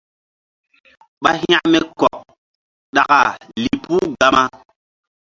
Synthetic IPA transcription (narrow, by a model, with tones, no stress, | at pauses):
ɓa˦hĩ˦a˦mɛ˦kɔ˨ʔ | ɗa˨ka˨li˨pu˦ɡa˦ma˦